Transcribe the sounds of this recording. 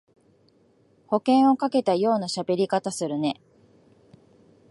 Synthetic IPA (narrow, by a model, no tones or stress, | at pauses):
ho̞kẽ̞ɰ̃o̞kake̞t̪ajo̞ːnaɕabe̞ɾʲikat̪asɨɾɯ̟ne̞